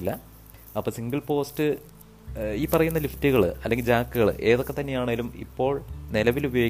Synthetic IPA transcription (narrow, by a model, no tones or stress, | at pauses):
lːɐ | ɐpːoːsiŋɡɐɭpo̞ːstɨ | iːpːɐrɐjunːɐliftːuɣɐɭɨ̰ɐlːe̞ŋɡild͡ʑaːkːɨɣɐɭɨ̰ʔe̞ːðo̞kːe̞t̪ːɐnːe̞jaːɳeːilumḭpːo̞ːɭnilɐʋilubɐjoː